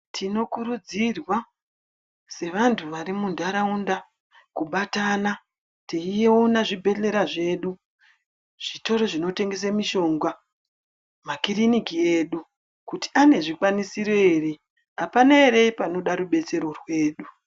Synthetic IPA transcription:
tʰino̞kuɾud͡zirwa | se̞ʋantʰuʋaɾimundaɾaunda | kuɓatana | teijeonaʐibʱe̞ɬe̞ɾaʐe̞ɗu | ʐ̥ito̞ɾoʐino̞te̞ŋɡe̞s̬amiʃo̞ŋɡwa | makirinikije̞ːɗu | kuti̥ane̞ʐikwanisiro̞iːri | apanaeɾe̞ipano̞ɗaɾuɓe̞t͡se̞ɾo̞rwe̞ːɗu

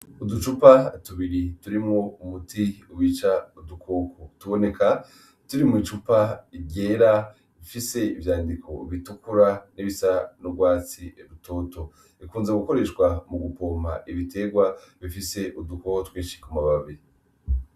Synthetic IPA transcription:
udut͡ʃupatuβiɾituɾimŋo̞umutiuwiːt͡ʃaudukʰo̞ːkʰotuβo̞ne̞ka | tuɾimŋit͡ʃupaiɟe̞ːɾa | βifise̞ivjaːndikʰo̞̰βitukuɾaniβisanuɡwaːt͡siɾutʰo̞ːto̞ | ikuːnzeɡuko̞ɾe̞ʃkwamuɡupo̞ːma̰ʔiβite̞ɡwaβifise̞ʔudukootwiːʃi̥kumaβaβe

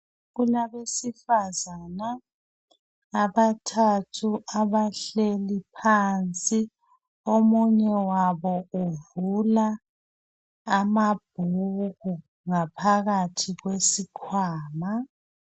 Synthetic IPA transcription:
ɣulaβesifazana | βatʰatʰuʔaβaɬelipʰant͡sʼi | omuɲɛwaβɔuvula | mab̥̚ʱuɣu | ŋapʰaɣatʰiɣwesikʰwaːma

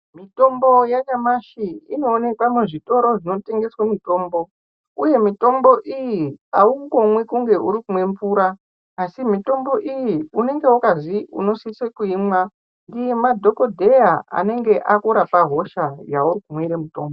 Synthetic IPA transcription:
mito̞mbo̞jaɲamaʃiino̞ːne̞kwameʐito̞ɾo̞ʐino̞te̞ŋɡe̞swamito̞ːmbo̞ | uje̞mito̞mbo̞ʔijiauko̞mwekuŋɡe̞ʔuɾikumwe̞mpuːɾaː | simito̞mbo̞ʔijiune̞ŋɡe̞ukaziṵno̞sisekuimwa | ndijemadʱo̞ko̞dʱe̞jaa̰ne̞ŋɡe̞ʔakuɾapaɦo̞ʃajaurikumweɾemuto̞ːmbo

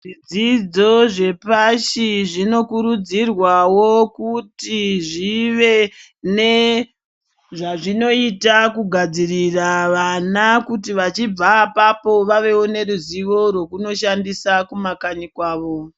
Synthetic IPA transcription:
ʐid͡zid͡zo̞ʐe̞paʃiʐino̞kuɾud͡zirwawokutiʐiʋe̞ | ne̞ | ʐaʐino̞itakuɡʱad͡ziriraʋanakutiʋat͡ʃib͡vapapo̞ʋaʋe̞wone̞ruziʋo̞rwo̞kuno̞ʃandisakumakaɲikwaːʋo̞

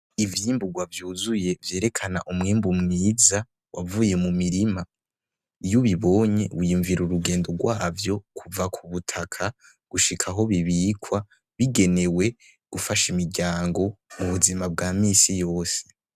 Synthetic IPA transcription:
ivjiːmbuɡwavjuːzuje̞vje̞ːɾe̞kʰana̰ʔumŋeːmbumŋiːza | wʔavuːje̞mumiɾima | juβiβo̞ɲe̞wujuɱviɾuɾuɡe̞ːndo̞ɡwaːvjo̞kʰuvakʰuβutʰakʰa | ɡ̥uʃikʰaɦo̞βiβiːkʰwa | βiɡe̞ne̞we̞ | ɡ̥ufaʃimiɾɟaːŋɡo̞muβuzimab̚ɡaːmiːsijo̞ːse̥

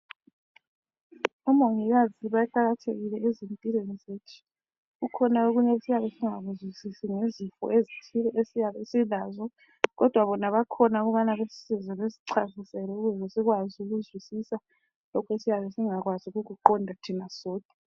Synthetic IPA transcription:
umoŋiɣaziβajɛǃaɣatʰḛɣilɛezimpʼilenizetʰi̥ | ɣukʰɔnaoɣuɲɛesijaβɛsiŋaɣuzwisisiŋezifɔ̰ʔezitʰilɔʔesijaβesilazɔ | ɣɔd̥ʱwaβɔnaβakʰɔnaɣuβanaβesi̥sizɛβesi̥ǀazisɛlɛuɣuesiɣwaziuɣuzwisisa | lɔkʰwesijaβɛsiŋaɣwazuɣuɣuǃɔndʱatʰinasɔːd̥ʱʼa

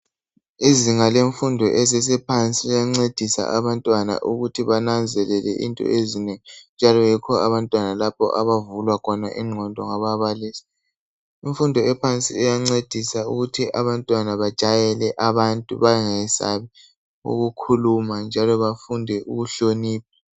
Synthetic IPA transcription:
iziŋaleɱfundʱɔʔɛzɛs̬ɛpʰant͡sʼiɛjaŋ͡ǀed̥ʱisa̰ʔaβantʼwana̰ʔuɣutʰiβanand͡zʱɛlɛlɛ̰ʔḭntʼɔ̰ezineŋind͡ʒʱalɔjikʰɔaβantʼwanalapʰɔ̰ʔaβavulwakʰɔnaʔiŋ͡ǃʱɔndʱɔŋaβaβaliːsḁ | iɱfundʱɔɛpʰant͡sʼḭɛjaŋ͡ǀed̥ʱisauɣutʰiʔaβantʼwanaβad̥ʒ̥ʼʱajɛlɛʔaβantʼṵβaŋɛsa̰βi | ṵɣukʰulumand͡ʒʱalɔβafundʱɛʔṵɣuɬoniːp̚ʰḁ

